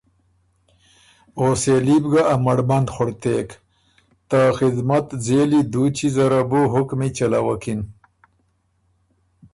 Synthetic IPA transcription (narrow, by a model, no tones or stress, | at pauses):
oːselibɡaʔːmɐɽmand̪xʊɽt̪eːk | t̪axɪd̪mat̪zelid̪ut͡ɕizaɾabuɦʊkmit͡ʃalawakin